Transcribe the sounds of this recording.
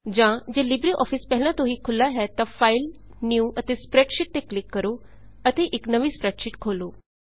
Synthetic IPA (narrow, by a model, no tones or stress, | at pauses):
d͡ʑãd͡ʑelibɾiʔɔ̰fispɛɦlãt̪oɦiːkʰʊlaɦɛt̪afail | njuːət̪espɾɛkʃiʈ̚t̪eklɪkːəɾo | ət̪eʔeknəʋiːspɾɛkʃiʈkʰoːloː